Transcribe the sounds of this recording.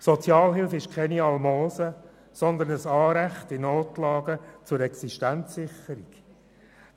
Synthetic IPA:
sɔt͡sjɑːlɦɪlfɪʃkʰɛniɑlmoːsə | sɔnd̪ənəsɑːɾæχtɪnoːtlɑːɡət͡sʊɾɛksiʃtænt͡sːɪχəɾiɡ̥

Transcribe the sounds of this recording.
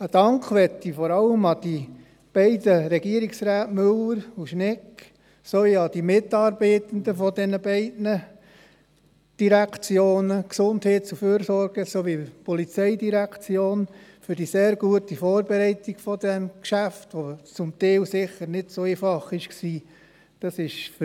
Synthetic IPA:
əd̥ɑŋkʋɛtːifɔɾɑləmɑd̥i | b̥ɛɪdəɾɛɡ̥iəɾiksɾæːtmɵləɾuʃnɪk | soʋiɑd̥imɪt̪ɑːɾbɛɪt̪ənd̪əfɔdɛnəbɛɪdnə | d̥iɾækt͡sjoːnəksʊndhɛːt̚t͡suføːɾsɔɾɡ̥əsoʋipɔlit͡sɛɪdiɾækt͡sjoːnfʏɾdiseːɾɡuətifɔːɾbɛɾɛɪtiɡ̥fɔdɛmkʃæft̪ʋot͡sʊmt̪ɛɪlsɪχəɾnɪd̥soɛɪfɑχɪʃksiː | d̥ɑsɪʃf

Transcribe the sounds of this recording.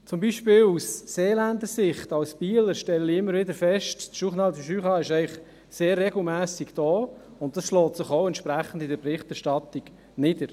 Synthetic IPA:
t͡sʊmbiːʃpɪːlusːeːlænd̪əsɪχtɑwspiələɾʃtɛləliɪmːəɾʋɪdəɾfɛʃttʃuχnɑlfəʃyːχɑːɪʃɛɪχ | seːrːɛɡl̩mæːsiɡd̥ɔː | ʊnttɑsʃlɔːtsɪχoʊɛntt͡ʃʃpɾæχən̩dɪdəɾbɾɪχtɛɾʃtɑt̪iɡ̥ | nɪd̥əɾ

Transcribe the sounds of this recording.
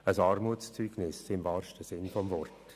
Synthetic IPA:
əsɑːɾmuət͡st͡syːɡ̥nɪsɪmvɑːɾʃtəsɪnfɔmvɔrt

